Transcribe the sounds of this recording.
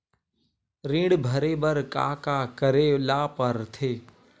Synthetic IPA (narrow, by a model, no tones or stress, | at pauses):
ɾĩːɽbʱɐɾeːbəɾka̰ːkaːkəɾeːlaːpəɾt̪ʰeː